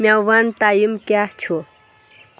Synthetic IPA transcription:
mjawant̪ajəmkaht͡ɕʰo

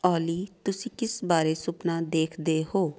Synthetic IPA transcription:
ɔːliːt̪ʊsĩkɪsbaːɾesʊpnad̪eːkʰd̪eɦoː

